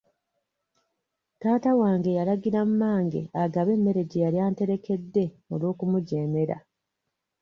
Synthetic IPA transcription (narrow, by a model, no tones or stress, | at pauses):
taːtawaːŋɡe̞jalaɡiɾammaːŋɡe̞̰aɡaβe̞mːe̞ɾe̞ɟijaɾjaːnte̞ɾe̞ke̞dːe̞ | o̞lwo̞ːkumuɟeːme̞ɾa̰